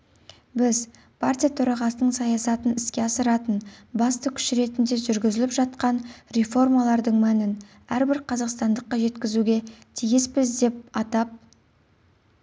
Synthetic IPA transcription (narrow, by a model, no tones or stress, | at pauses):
bɪz | pʰart̪ʲijat̪ʰɵɾɑʁɑsənəɴsɑjɑsɑt̪ənɪskʲe̞ɑsəɾɑt̪ənbɑst̪əkʲʰʏ̥ʃɪɾe̞t̪ɪnd̪e̞ʒʏɾɡʲɪzɪlɪpʒɑt̪̚qɑnɾe̞fo̞rmɑlˠɑɾd̪əɴmænɪn | æɾbɪɾqʰɑzɑqst̪ɑnd̪əqːɑʒe̞t̪kʲɪzuɡʲe̞t̪ʰijespɪzd̪e̞p̚ɑt̪ɑp̚